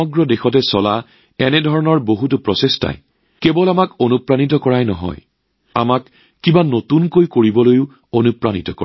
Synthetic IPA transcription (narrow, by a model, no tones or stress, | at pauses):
ɔɡɹɔdexɔtɛsɔla | ɛnɛdʱɔɹɔnɔɹboɦut̬ʊpɹɔsesta̰j | kebɔlamakonupɹanit̬ɔkɔɹajnɔ̰ɦɔ̰j | a̰makː | ibanotunkojkoɹibɔlojʊ | onupɹanḭtɔkɔ